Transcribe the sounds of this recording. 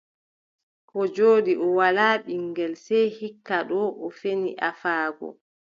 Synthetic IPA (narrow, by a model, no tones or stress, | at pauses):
kɔd͡ʒoːɗiʔɔwalaːɓiŋɡɛlsɛjhikːaɗɔʔɔfenḭʔafaːɡɔ̰